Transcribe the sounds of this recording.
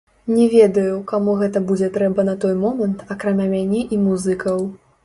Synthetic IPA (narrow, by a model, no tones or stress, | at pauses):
nʲɛvʲeɛd̪ɐjukamuɣɛt̪ɐbud͡zʲɛt̪ɾɛbɐnɐt̪ɔjmɔmɐnt̪ɐkɾamʲamʲanʲɛʔimuzɨkɐw